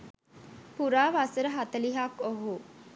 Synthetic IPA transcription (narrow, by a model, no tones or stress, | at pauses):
puɾaːʋasəɾəɦat̪əliɦakoɦu